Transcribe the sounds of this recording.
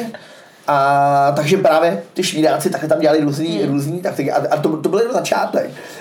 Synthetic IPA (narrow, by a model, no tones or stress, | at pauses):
ʔat̪aɡʒɛpɾaːvjɛt̪ɪʃviːɾaːt͡sɪt̪aklɛt̪amɟɛlalɪɾuːzniːɾuːzɲiːt̪akt̪ɪkɪʔaʔat̪ot̪obɪlɪnazat͡ʃa̰ːt̪ɛ̰k